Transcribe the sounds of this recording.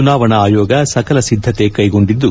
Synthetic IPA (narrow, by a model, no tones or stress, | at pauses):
unaːʋɐɳɐaːjoːɡɐsɐkɐlɐsid̪ʱːɐt̪e̞kɐjɡo̞ɳɖid̪ːu